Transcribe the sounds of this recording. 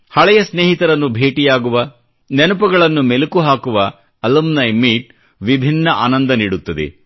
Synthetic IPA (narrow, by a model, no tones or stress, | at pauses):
hɐɭɛjɐsneːɦit̪ɐɾɐnːubʱeːʈijaːɡuʋɐ | nenupɐɡɐɭɐnːumelukuɦaːkuʋɐ | ɐlɐmnɐjmiːʈ̚ | ʋibʱinːɐʔa̰ːnɐnd̪ɐniːɽut̪ːɐd̪ḛ